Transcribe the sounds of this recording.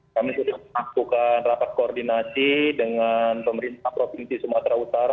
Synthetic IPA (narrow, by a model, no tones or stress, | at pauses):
kamisudahməŋakukanrapat̪̚koːrdinasidəŋanpəməɾint̪ahpɾofinsisumat̪ɾaut̪aɾa